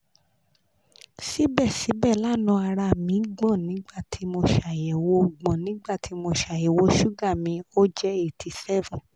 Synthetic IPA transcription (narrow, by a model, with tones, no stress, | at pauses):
si˨˦bɛ˦˨si˨˦bɛ˦˨la˦˨nũ˨˧˦a˧ɾa˧˨mĩ˨˦ɡ͡bɔ̃˦˨nĩ˨˦ɡ͡ba˦˨ti˨˦mo˧ʃa˨jɛ˨wo˧˦ɡ͡bɔ̃˨nĩ˨˦ɡ͡ba˦˨ti˨˦mo˧ʃa˨jɛ˨wo˧˦ʃu˦ɡa˦˨mĩ˧o˦d͡ʒɛ˦e˦˨ti˨˧sɛ˦vɔ̃˨